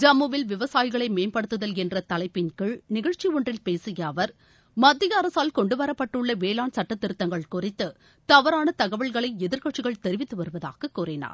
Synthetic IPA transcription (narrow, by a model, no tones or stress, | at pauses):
d͡ʒɐmːɯʋɪlʋɪʋɐsaːjɪɣɐɭɐɪmeːnpɐɽɯt̪ːɯðɐlɛndrɐt̪ɐlɐɪpːɪnkɯɭnɪɣɐɻt͡ʃiɔɳdrɪlpeːsɪjɐːʋɐɾ | mɐd̪ːɪɣɐːɾɐsaːlkɔɳɖɯʋɐɾɐpːɐʈːɯɭːɐʋeːlaːnsɐʈːɐt̪ːɪɾɯt̪ːɐŋɡɐɭkʊrɪt̪ːɯ | t̪ɐʋɐɾaːnɐt̪ɐɣɐʋɐɭɣɐɭɐɪɛðɪɾkɐʈt͡ʃːɪɣɐɭt̪ɛɾɪʋɪt̪ːɯʋɐɾɯʋɐða̰ːɣɐkːuːrɪna̰ːɾ